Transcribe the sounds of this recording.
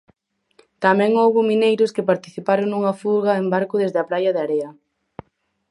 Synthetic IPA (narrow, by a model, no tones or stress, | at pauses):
t̪amɛ̃ŋowβʊminejɾʊskɪpaɾt̪iθipaɾoŋnuŋɐfuɾɣɐembaɾkʊðezðɪɐpɾajɐðeaɾeɐ